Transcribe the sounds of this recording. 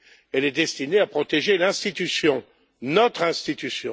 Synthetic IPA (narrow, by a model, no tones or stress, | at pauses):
ɛlɛd̪ɛst̪ineapχɔt̪eʒelɛ̃st̪it̪ysjɔ̃ | nɔt̪χɛ̃st̪it̪ysjɔ̃